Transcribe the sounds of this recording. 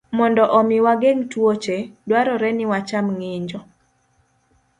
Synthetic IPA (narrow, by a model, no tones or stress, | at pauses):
mɔndɔʔɔmɪwaɡeŋtwot͡ʃedwaɾɔɾɛnɪwat͡ʃamŋɪɲd͡ʒɔ